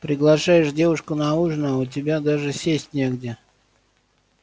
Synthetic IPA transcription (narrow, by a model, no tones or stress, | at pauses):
pɾʲɪɡlˠɐʂajɪʂdʲevʊʂkʊnɐuʐnəʊt̬ʲɪbʲad̪aʐɨsʲesʲtʲnʲeɡdʲɪ